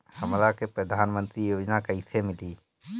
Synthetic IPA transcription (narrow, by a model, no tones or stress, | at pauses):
həmɾakepɾəd̪ʱaːnmə̃nt̪ɾijoːd͡ʒnakəisʰemɪliː